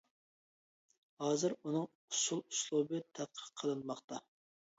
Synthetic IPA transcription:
hɑːzɨɾunɨŋ | ʊsulˠuslˠubɨt̪ʰæt̪̚qʰə̥qʰːəlˠɨnmɑχt̪ɑ

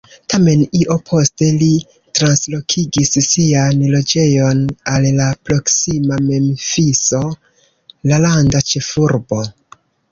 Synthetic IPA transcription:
tame̞niʔo̞pʰo̞ste̞li | tɾanslo̞kʰiɡisːianlo̞d͡ʒe̞jo̞nalːapɾo̞ksimame̞mfiso̞ | lalandat͡ʃe̞fuɾbo̞

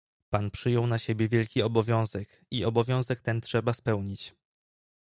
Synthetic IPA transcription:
panpʂɘjɔwnaɕebʲjɛvʲjɛlkʲiɔbɔvʲjɔ̃w̃zɛk | iɔbɔvʲjɔ̃w̃zɛk̚t̪ɛntʂɛbaspɛwɲit͡ɕ

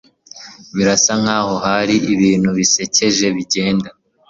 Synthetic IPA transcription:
βiɾasaŋhaːho̞haɾiʔiβiːn̥huβise̞ce̞ʒe̞βiɟe̞ːnda

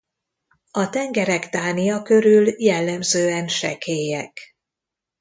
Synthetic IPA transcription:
ɒt̪ɛŋɡɛɾɛkt̪aːnijɒkø̞ɾyljɛlːɛmzøːɛnʃɛ̰kʰeːjɛk

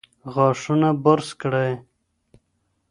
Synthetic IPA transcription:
ɣɑʂunabaɾskɽaj

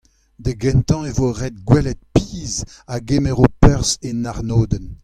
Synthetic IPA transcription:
d̪əɡɛ̃nt̪ɑ̃evoʁɛd̪̚ɡwɛlɛt̪̚piːz | aɡemeʁopœʁzenaʁnoːd̪ɛn

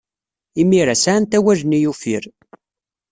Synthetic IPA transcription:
imiɾæsant̪æwæʒənijufḭɾ

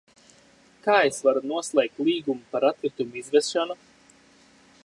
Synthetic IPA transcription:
kaːesvaɾunuɔslˠɛjk̚t̪lˠiːɡumupaɾat̪̚kɾit̪umuizvɛsʃanu

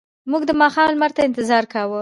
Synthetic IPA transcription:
muɡd̪əmɑxɑmlmaɾt̪aɪnt̪ɪzɑɾkawu

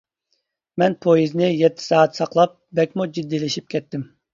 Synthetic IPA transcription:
mɛnpʰojiznɪjɛt̪ʰːɪ̥sɑːt̪sɑqlˠɑp̚bɛkʲmud͡ʒid̪ːilɪʃip̚kʲʰɛt̪ːɪm

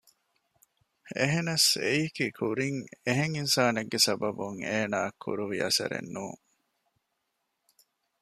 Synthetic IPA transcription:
eɦenɐsejikikʰuɾiŋeɦeŋinsaːneɡːesɐbɐbuŋeːnaːkʰːṵɾuʋiɐsɐ̰ɾḛnːuːŋ

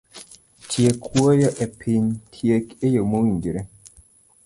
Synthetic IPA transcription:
tʰjekʰwojɔʔepʰintʰjekejəmond͡ʒiɾe

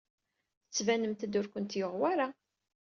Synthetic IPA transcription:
θə̥t͡sːvænəmt̪əd̪ʊɾkʷənt̪joʁwæɾa

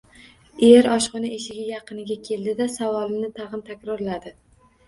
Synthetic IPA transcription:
eɾɒʃqɨnɪʔeʃɪɡʲajɑqɨnɪɡʲakʲʰe̞ld̪ɪd̪asavɒlˠɪnɪt̪ʰɑʁɨnt̪ʰakʲɾɒɾlad̪ɪ

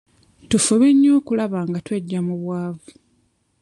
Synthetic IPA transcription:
tufuβiɲːoːkulaβaːŋɡatweɟːamuβwaːvu

